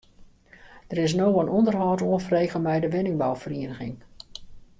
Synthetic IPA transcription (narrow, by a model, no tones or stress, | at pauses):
d̥ərɪs̬nowənʔɔndərɦɔːtoənfəreːɣəlmɛjdəʋɪnɪŋbawfəriːənəɣɪ̰ŋ